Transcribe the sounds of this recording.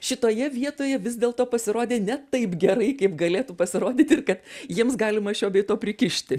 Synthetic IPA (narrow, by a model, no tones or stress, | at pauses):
ʃʲɪt̪oːjɛʋʲiɛt̪oːjɛʋʲɪzd̪ʲeːlˠt̪oːpɐsʲɪɾoːd̪ʲeːnʲɛt̪ɐɪpɡʲɛɾɐɪkɐɪpɡɐlʲeːt̪upɐsʲɪɾoːd̪ʲiːt̪ɪrkɐt̪jiɛmsɡɑːlʲɪmɐʃʲoːbʲɛɪt̪oːpʲɾʲɪkʲɪʃʲt̪ʲɪ